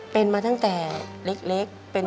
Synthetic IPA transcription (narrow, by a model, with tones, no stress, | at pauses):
pe˧nmaː˧a˥˩ŋt̪ɛː˨˩le˦˥k̚le˦˥k̚pe˧n